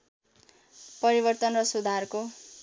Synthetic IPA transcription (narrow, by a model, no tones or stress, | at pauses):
pʌɾibʌrt̪ʌnrʌsud̪ʱarko